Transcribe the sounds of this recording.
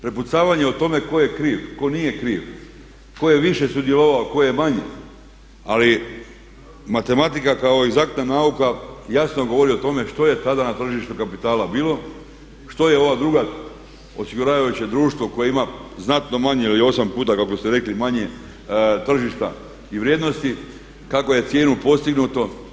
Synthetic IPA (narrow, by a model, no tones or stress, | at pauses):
pɾeput̪saːʋaɲe̞ot̪o̞me̞ko̞je̞kɾiːʋko̞nije̞kɾiːʋ | ko̞je̞ʋiʃe̞sud̪je̞loʋaoko̞je̞maɲḛ | ali | mat̪e̞mat̪ikakao̞eɡzak̚t̪nanaukajasnoɡo̞ʋo̞ɾiot̪o̞me̞ʃt̪o̞je̞t̪ad̪anat̪r̩ʒiʃt̪ukapit̪aːlabiːlˠo̞ | ʃt̪o̞je̞o̞ʋad̪ɾuɡa | o̞siɡuɾaːʋajut͡ɕe̞d̪ɾuːʃt̪ʋo̞ko̞jeimaznat̪no̞maɲeilio̞sampuːt̪akakost̪eɾe̞klimaɲe̞ | t̪r̩ʒiʃt̪a̰ | iʋɾjed̪no̞st̪i | kako̞je̞t̪sje̞ːnupo̞st̪iɡnut̪o̞